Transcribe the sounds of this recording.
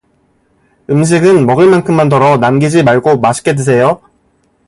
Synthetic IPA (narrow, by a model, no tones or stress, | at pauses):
ɯmɕ̬ʰiɡɯnmʌɡɯɭmankʰɯmːandʌɾʌnamɡid͡ʑimaɭɡomaɕʰi̥k͈e̞dwes̬ʰe̞jo